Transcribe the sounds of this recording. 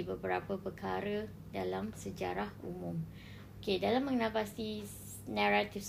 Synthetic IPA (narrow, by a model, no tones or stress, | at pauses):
ibəbəɾapəpəkaɾə | dalamsəd͡ʒa̰ɾahṵmũm | okedalamːə̃ŋənãpasi | nãɾat̪if